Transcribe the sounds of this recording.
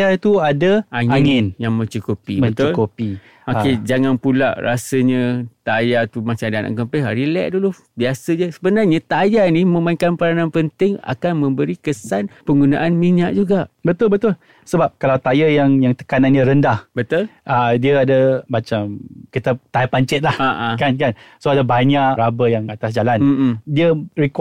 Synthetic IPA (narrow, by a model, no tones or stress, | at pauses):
jat̪uadəʔaŋaɪ̃ŋɪ̃njaŋmə̃ɲt͡ʃukupiməət͡ʃt̪ʊulkupi | oked͡ʒaŋanpula̰ʔra̰səɲət̪ajat̪umat͡ʃamdanʔa̰kəmpɛɦaɾilɛ̰ʔdulu | biasəd͡ʒəsəbənarɲat̪ajanimə̃maiŋkanpəɾananpənt̪ɪŋa̰kanmə̃mbəɾikəsanpəŋɡunaʔanmiɲaʔ̚d͡ʒuɡaʔbət̪ʊlbət̪ʊl | səbap̚kalawt̪ajəjaŋjaŋt̪ə̥kananjəɾəndahbət̪ʊlʔadiəadəmat͡ʃamkit̪ət̪ajpaɲt͡ʃɪt̪̚lahaʔakankansoadabaɲaʔɾabəjaŋat̪asd͡ʒalan̩diəɾik